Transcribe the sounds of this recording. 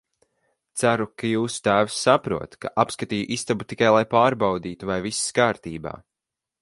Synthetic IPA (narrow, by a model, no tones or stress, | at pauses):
t̪sæɾukajuːsu̥t̪æːvsːapɾṵɔt̪ka̰ʔapskat̪iːjuʔist̪abut̪ikajlˠajpaːɾbawd̪iːt̪uvajvisskaːɾt̪iːba̰ː